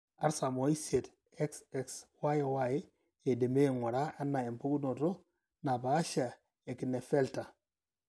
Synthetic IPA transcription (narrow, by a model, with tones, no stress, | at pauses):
a˦ɾsa˨mo˨i˦se˨t | e˦ksɛ˦kswa˦je˨wa˦je˦ | e˨de˨me˦˨ŋo˨ɾa˦a˦nːa˨e˨mpu˦ku˦no˨to˦ | na˨baː˨˦ʃa˨ | e˨ki˨ne˨fe˦lta˨